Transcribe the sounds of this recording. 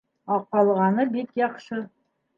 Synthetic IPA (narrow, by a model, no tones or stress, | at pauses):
ɑq̚ɑlˠʁɑnɤbekjɑqʃɤə